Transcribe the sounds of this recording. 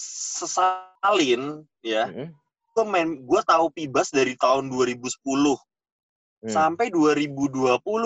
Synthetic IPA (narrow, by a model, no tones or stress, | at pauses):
səsalɪn | ja | ɡamanɡuat̪aupibasdaɾit̪aʊnduaɾibusə̥pulʊh | sampajduaɾibuduapulʊ